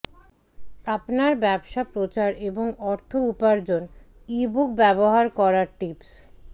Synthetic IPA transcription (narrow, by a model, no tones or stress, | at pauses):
apnaɾbɛbʃapɾot͡ɕaɾeboŋɔɾt̪ʰoupaɾd͡ʑon | ibuk̚bɛboɦaɾkɔɾaɾʈips